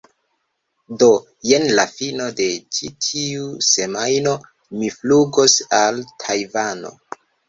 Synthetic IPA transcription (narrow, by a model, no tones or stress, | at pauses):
do̞ | je̞nlafino̞de̞t͡ʃitʰiuse̞majno̞ | mifluɡosaltʰajvano̰